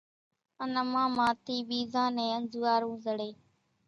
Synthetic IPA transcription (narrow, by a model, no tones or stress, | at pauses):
ənəmãːmãːt̪iːɓiːzãːnẽːənd͡ʒuːaːɾũːzəɽeː